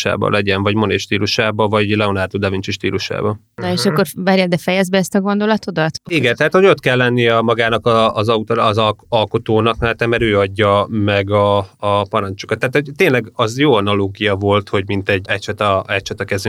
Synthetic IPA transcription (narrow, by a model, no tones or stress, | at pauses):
ʃa̰ːbɒ̰lʔɛɟɛɱvɒɟmoneʃt̪iːluʃaːbɒvɒɟlɛonard̪ud̪ɛvint͡ʃiʃt̪ḭːluʃa̰ːbɒ | nɒeʃɒkːo̞rvɛɾɛld̪ɛfɛjɛzbɛɛst̪ɒɡo̞nd̪o̞lɒt̪o̞d̪ɒt̪iɡɛnt̪ɛɦaːt̪hoɟo̞t̪kɛlːɛnːijɒmɒɡaːnɒkɒːzɒut̪ːzɒlko̞t̪oːnɒkmɛɛt̪ːɛmɛɾøːɒɟːɒmɛɡɒːpɒɾɒnt͡ʃu̥kɒt̪ːɛaːt̪hoɟt̪ːeːnlɛɡɒzjoːɒnɒloːɡijɒvo̞lt̪ho̞ɟmint̪ɛɟɛcʃɛt̪ɒɛcʃɛt̪ɒkɛzy